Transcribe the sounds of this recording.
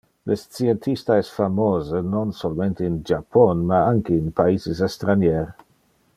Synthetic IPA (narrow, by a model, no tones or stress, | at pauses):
lʔest͡sient̪ʰist̪aɛsfamoːzənonsolmẽnt̪əind͡ʒapʰɔnmaaŋkeinpaiːzisest̪ɾanjɛɾ